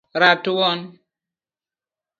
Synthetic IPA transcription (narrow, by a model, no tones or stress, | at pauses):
ɾatuwɔn